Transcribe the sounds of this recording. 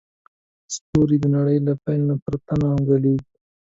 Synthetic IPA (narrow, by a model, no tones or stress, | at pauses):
st̪oɾid̪ənaɽəjlapajlnapəɾat̪anahʊŋɡaleɡ